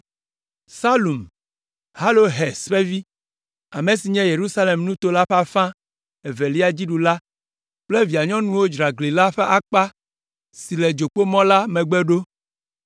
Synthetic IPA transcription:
sa˦lu˨m | ha˦lo˦ɦɛ˨sɸe˦vi˦ | a˨mẽ˨si˨ɲɛ̃˦je˨ɾu˦sa˦le˨mnũ˦t̪o˦la˦ɸa˨fã˦ | e˨ve˨li˦a˦d͡ʑi˦ɖu˨la˦ | k͡ple˦vi˨a˨ɲɔ̃˦nũ˦wo˦d͡ʒɾa˨ɡli˨la˦ɸe˦ʔa˨k͡pa˦ | si˨le˨d͡ʒo˨k͡po˦mɔ̃˦la˦mɛ̃˨ɡ͡be˦ɖo˦

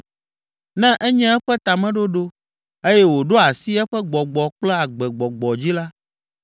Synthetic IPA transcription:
nɛ̃˦ʔɛ˦ɲɛ̃˦ɛ˦ɸɛ˦t̪a˨mɛ̃˦ɖo˦ɖo˦ | e˦jɛ˦wo˨ɖo˦a˨si˦ɛ˦ɸɛ˦ɡ͡bɔ˨ɡ͡bɔ˨k͡plɛ˦a˨ɡ͡bɛ˨ɡ͡bɔ˨ɡ͡bɔ˨d͡ʑi˦la˦

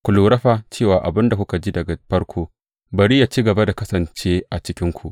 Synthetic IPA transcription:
kʷu˨luː˨ɾɐ˦ɸaː˨t͡ʃeː˦˨waː˨ʔa˨bɪ˦nda˨kʷʊ˦ka˨d͡ʒiː˦dɐ˨ɡa˨ɸɐ˦ɽkʷʰoː˦ | bɐ˨ɾi˦ja˨t͡ʃiː˦ɡɐ˨ba˦da˨kɐ˦sɐ˨nt͡ʃeː˦ʔa˨t͡ʃɪ˦kʲɪ˦ŋkʷu˨ʔ

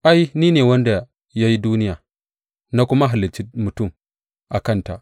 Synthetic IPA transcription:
ʔa˦ji˦niː˦neː˨wɐ˦nda˨ | ja˦ji˦duː˦ni˦ja˨ | na˦kʊ˦ma˦ɦa˨li˨t͡ʃi˦mu˨tu˦˨m | ʔa˨kɐ˦nta̰˨ʔ

